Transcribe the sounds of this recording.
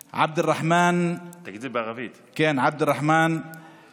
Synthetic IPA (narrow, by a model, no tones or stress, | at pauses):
ʕa̰b̚d̪ɪrˤːɑħmaːnt̪akd̪iːbaɣafiːd̪kaːnʕab̚d̪ɪrˤːɑħmaːn